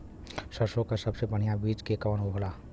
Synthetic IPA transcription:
səɾsõkasəbsebəɽ̤ijabiːd͡ʒkekəʋənoɦola

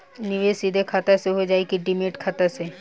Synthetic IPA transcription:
nɪʋesid̪ʱekʰaːt̪aseɦod͡ʒaːekiɖimeːʈkʰaːt̪ase

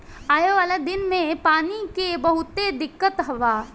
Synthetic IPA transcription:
aːjoʋaːled̪ɪnmẽpaːnikebɐɦʊt̪ed̪ɪkːət̪ɦɐʋaː

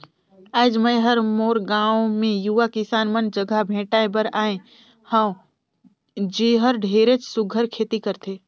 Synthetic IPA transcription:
aːd͡ʒməjɦəɾmoːɾɡãːwmẽjuʋakɪsaːnmənd͡ʒəɡʱabʱẽːʈaːẽbəɾaːẽ | hə̃w̃ | d͡ʒiːɦəɾɖʱeːɾet͡ʃsʊɡʱəɾkʰeːt̪ikəɾt̪ʰeː

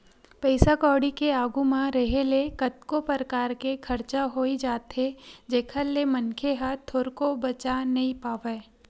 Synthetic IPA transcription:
pɛɪsakɔːɽikeaːɡumãɾɐɦelekɐt̪kopəɾəkaːɾkekʰɐɾt͡ʃaɦoːid͡ʒaːt̪ɦed͡ʒeːkʰəlːemɐnkʰeɦat̪ʰːoːɾkobɐt͡ʃanɐɦĩpaːʋeː

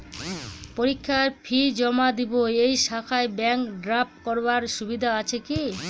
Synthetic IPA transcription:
poɾikʰːaepʰid͡ʑɔmad̪iboejʃakʰaebɛŋkɖɾap̚kɔɾbaɾʃubid̪ʱaat͡ɕʰeki

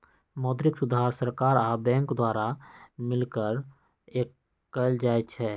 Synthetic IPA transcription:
mɔːd̪ɾɪksʊd̪ʱaːɾsəɾkaːɾaːbɛ̃ːŋkd̪waːɾamɪlkəɾ | eːkː | əld͡ʒaːet͡ʃʰɛː

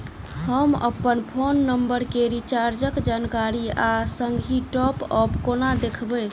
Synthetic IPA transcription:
həmə̰pːənpʰonːəmbəɾkeɾit͡ʃaɾd͡ʒəkd͡ʒankaɾiasəŋɡʱiʈɔpəpkonad̪ekʰbə

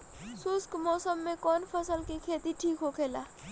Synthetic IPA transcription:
sʊskmɔːsəmːẽkɔːnpʰəsəlkikʰeːt̪iʈʰiːkɦokʰeːlaː

